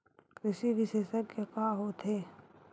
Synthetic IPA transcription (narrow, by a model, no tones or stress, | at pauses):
kɾɪʃiʋɪʃeːʃəkːekaɦoːt̪ʰeː